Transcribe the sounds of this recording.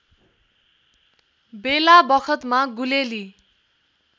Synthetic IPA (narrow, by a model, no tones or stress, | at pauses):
belabʌkʰʌt̪maɡuleli